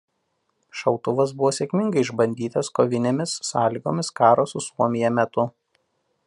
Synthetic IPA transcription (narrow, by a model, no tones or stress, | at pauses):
ʃɐʊt̪ʊʋɐs̬bʊʋoːsʲekʲmʲɪŋɡɐɪɪʒbɐnʲd̪ʲiːt̪ɐskoʋʲɪnʲeːmʲɪsːɑːlʲɪɡo̰ːmʲɪskɑːɾoːsʊsuɔmʲɪjɛmʲɛt̪ʊ